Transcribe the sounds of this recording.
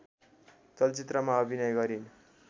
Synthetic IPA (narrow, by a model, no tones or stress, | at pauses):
t͡sʌlt͡sit̪rʌmaʌbʱinʌjɡʌɾin